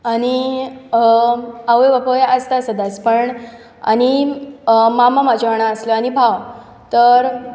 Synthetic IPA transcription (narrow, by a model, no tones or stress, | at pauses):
añi | aʋʋapojʔəst̪asəd̪aspəɳ | a̰ñi | mamamad͡ʑaɳ̃aəsləañibʱaw | t̪əɾ